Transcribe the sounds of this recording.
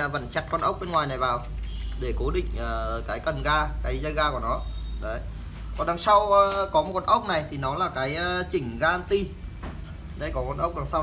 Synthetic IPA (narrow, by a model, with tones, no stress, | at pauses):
və̰˧˩nt͡ɕa˨˧˩t̚kɔ˧nʔə˦˥wk͡p̚ɓe˧nŋwaː˨˩jna˨˩jvaː˨˩w | ɗe˧˩ko˨˦ɗḭ̈˧˨ŋ̟ʔəː˨˩˨kaː˨˦jkə˨˩nɣaː˧kaː˨˦jzə˧jɣaː˧ku˧˩ənɔ˨˦ɗə˨˦j | kɔ˨˩nɗa˨˧˦ŋsa˧wkɔ˨˦mo˨˩kɔ˧nʔə˦˥wk͡p̚na˨˩jt̪ʰi˨˩nɔ˨˦laː˨˩kaː˨˦jt͡ɕï˧˩ŋ̟ɣaː˧nt̪i˧ | ɗə˧jkɔ˨˦kɔ˧nʔə˦˥wk͡p̚ɗa˨˧˩ŋsa˧w